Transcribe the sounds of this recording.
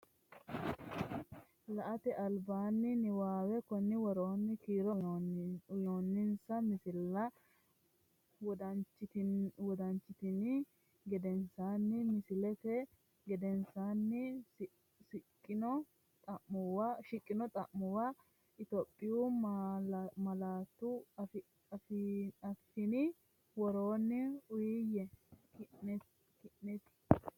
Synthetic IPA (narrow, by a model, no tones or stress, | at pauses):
lɐʔɐt̪ɛʔɐlbaːnːɪnɪwaːwɛkɔnːɪwɔɾoːnːɪkiːɾɔ | ʊjoːnːɪnsɐmɪsɪlːɐ | wɐɪwɔd̪ɐnt͡ʃːɪt̪ɪnɪ | ɡɛd̪ɛnsaːnːɪmɪsɪlɛfɛ | ɡɛd̪ɛnsaːnːɪs | sɪkʼːɪnɔ | t̪ʼɐʔmʊwaʃɪkʼːɪnɔt̪ʼɐʔmɔwa | ɪt̪ɔpʼːɪju | mɐlaːt̪ːʊf | ɐfɐfːɪnɪ | wɔɾoːnːɛʊjɪjɛk | kɪʔnɛt̪ɪ̥